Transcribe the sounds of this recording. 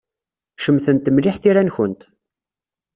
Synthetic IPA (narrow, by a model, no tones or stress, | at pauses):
ʃəmθənt̪ːəmliħθiɾænçənt̪